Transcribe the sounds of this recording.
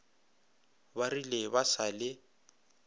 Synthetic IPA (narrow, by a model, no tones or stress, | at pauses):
barilebasalɪ